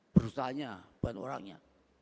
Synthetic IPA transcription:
b̥əɾusaɦaɲab̥ano̰ɾa̰ŋɲa̰

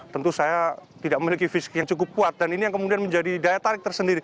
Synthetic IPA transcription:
t̪ənt̪usajat̪idaʔ̚məlikifisi̥kjaŋt͡ʃukʊpːuat̪̚daninijaŋkəmudianməɲd͡ʒadidajat̪aɾɪk̚t̪ərsəndiɾi

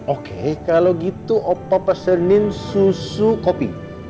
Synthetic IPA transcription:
okḛkaloɡit̪uʔopapəsənɪnsusukopḭ

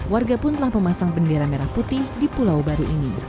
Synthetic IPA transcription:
warɡapʊnt̪əlahməmasaŋbəndeɾameɾahput̪ɪhdipulawbaɾuʔini

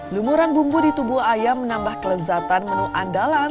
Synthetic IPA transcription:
lumuɾanbumbudit̪ubuajamːənambahkələzat̪anmənuʔandala

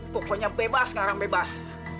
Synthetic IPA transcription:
pɔkɔɲabebasŋaɾaŋbebas

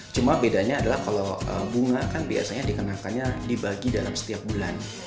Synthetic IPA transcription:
t͡ʃumabedaɲaːdalahkalowə̰buŋakanbia̰saɲadikənakanɲadibaɡida̰lamsə̥t̪iap̚bulan

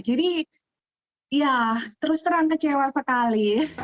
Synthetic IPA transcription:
d͡ʒadi | jat̪əɾʊst̪əɾaŋk̪ət͡ʃewasəkali

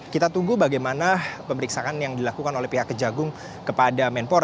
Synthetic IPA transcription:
kit̪at̪uɡubaɡajmanapəməɾiksaʔanjaŋdilakukanolɛhpiɦakːəd͡ʒaɡʊŋ | kəpadamɛnpoɾ

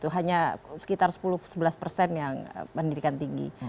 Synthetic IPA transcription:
t̪uɦaɲasə̥kit̪arsə̥pulʊhsəbəlaspərsɛnjaŋ̰pəndidikant̪iŋɡḭ

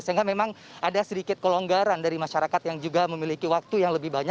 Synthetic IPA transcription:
saŋɡamemaŋʔadasəɾikɪt̪̚koloŋɡaɾandaɾimaʃaɾakat̪jaŋd͡ʒuɡaməmilikiwak̚t̪ujaŋləbɪhbaɲa

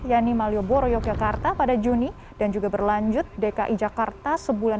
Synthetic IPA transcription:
janimalioboɾojɔk̚d͡ʒakart̪apadad͡ʒuni | d̥and͡ʒuɡabərlaɲd͡ʒʊt̪̚dekaʔid͡ʒakart̪asəbula

